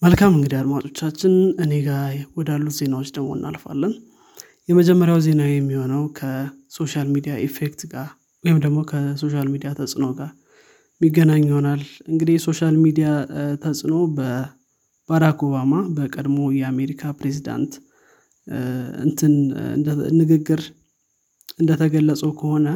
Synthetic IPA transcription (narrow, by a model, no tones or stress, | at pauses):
məlkʰamɨŋɡɨd̪iad̪mat͡ʃʼo̞t͡ʃːat͡ʃːɪnɨne̞ɡawɔd̪alːut̪ze̞nawot͡ʃːd̪əɡmo̞ɨnːa̰lfa̰lːən | jɛməd͡ʒɛmːəɾjawze̞najɛmːiho̞nəwkʰə | so̞ʃalmid̪ijaʔefekt̪ɡaɾ | wɔhɪmd̪əɡmo̞kʰəso̞ʃ̬almid̪ijat̪ʰəsʼɨno̞ɡaɾ | miɡːənaɲːhonalʔɨŋɡɨd̪ihso̞ʃalmid̪ijat̪ʰəsʼno̞bə | b̥aɾakʰo̞bamabəkʼəd̪mo̞jɛame̞ɾikʰapɾe̞zid̪a̰nt̪ | ɨ̰nt̪ʰɨn̰ | nːɨɡɨɡːɨɾ | ʔɨnd̪ət̪ʰəɡəlːəsʼəwkʰəho̞nə